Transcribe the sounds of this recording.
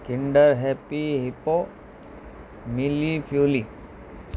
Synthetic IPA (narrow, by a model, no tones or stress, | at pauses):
kiɳɖəɾɦepiɦipo | milipʰjuli